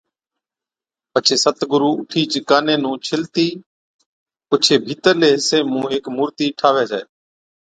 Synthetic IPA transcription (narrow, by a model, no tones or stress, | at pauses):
pət͡ʃʰeːsət̪ɡʊɾuːʊʈʰiːt͡ʃɪkaːneːnũːt͡ʃʰɪlt̪iː | pʊt͡ʃʰeːbʱiːt̪əɾleːseːmũːɦeːkmuːɾt̪iːʈʰaːʋeːd͡ʒa̰ːeː